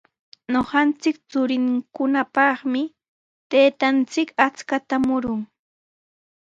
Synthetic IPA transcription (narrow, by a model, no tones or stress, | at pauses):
ɲoχɑnt͡sɪkt͡sʊɾɪŋkʊnapɑχmɪ | t̪eːt̪ant͡sɪkat͡skat̪amʊɾʊŋ